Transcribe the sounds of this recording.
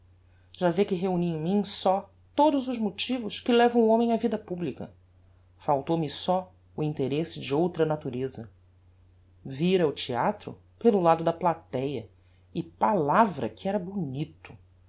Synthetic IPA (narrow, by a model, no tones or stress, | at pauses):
ʒ̥avekɪɦeuniẽj̃mĩsɔ | t̪od̪ʊzʊzmot͡ʃivʊʃkɪlɛvɐ̃w̃õmẽj̃ɐvid̪ɐpublikɐ̰ | fawt̪owmɪsɔ | ʊĩnt̪eɾesɪd͡ʒɪowt̪ɾɐnat̪uɾezɐ | viɾɐʊt͡ʃiat̪ɾʊ̰ | pelʊlad̪ʊd̪ɐplat̪ɛjɐ | ɪpalavɾɐ̰kʰɪɛɾɐbunit̪ʊ̥